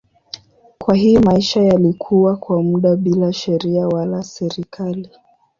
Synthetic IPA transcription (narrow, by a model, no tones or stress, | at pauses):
kwaɦijɔmaiʃajalikʰuwakwamuɗaɓilaʃɛɾiawalasɛɾikʰali